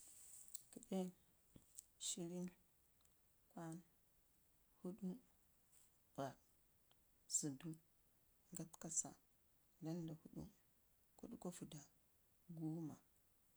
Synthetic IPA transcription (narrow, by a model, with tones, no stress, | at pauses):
ki˨˦ɗe˦ | ʃi˦ɾi˦n | kʷwa˦n | hu˦ɗu˦ | ba˨ | z̥u˨du˦ | ŋɡa˦tka˨sa̰˨ | da˦nda˨hu˦ɗṵ˦ | ku˦ɗu˦ko˦fu˨da˨ | ɡu˦ma˨